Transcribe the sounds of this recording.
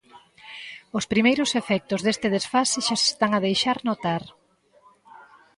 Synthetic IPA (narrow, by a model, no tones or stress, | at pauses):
ʊspɾimejɾʊsefɛk̚t̪ʊzðest̪ɪðesfasɪʃase̥st̪aŋaðejʃaɾnot̪aɾ